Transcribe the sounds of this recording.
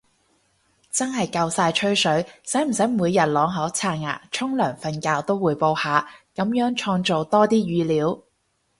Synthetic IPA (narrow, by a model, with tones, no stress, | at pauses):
t͡sɐ˥nɦɐ˨˩jkɐ˧wsaː˧jt͡ʃʰɵ˥ɥsɵ˨˥ɥsɐ˨˥jm̩˨˩sɐ˨˥jmuː˨˧jːɐ˨˩t̚lɔː˨˧ŋɦɐ˨˥wt͡sʰaː˧n̚ŋa̰ː˨˩t͡ʃʰʊ˥ŋlœː˨˩ŋfɐ˨˧nkaː˧wt̪o˥wuː˨˧jpo˧whaː˨˧kɐ˨˧˥mjœː˨˥ŋt͡ʃʰɔː˧ŋt͡ʃo˨wt̪ɔː˥t̪iː˥jyː˨˧liː˨˥w